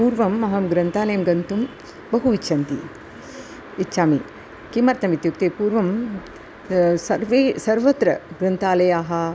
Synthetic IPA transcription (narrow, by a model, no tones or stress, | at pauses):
uːɾʋɐmːɐɦɐmɡɾɐnt̪aːlɐjɐmɡɐnt̪um | bɐɦuʋitːʃʰɐnt̪ḭ | itːʃaːmi | kimɐɾt̪ɐmit̪juk̚t̪eːpuːɾʋɐm | sɐɾʋeːsɐɾʋɐt̪ɾɐɡɾɐnt̪aːlɐjaːɦɐ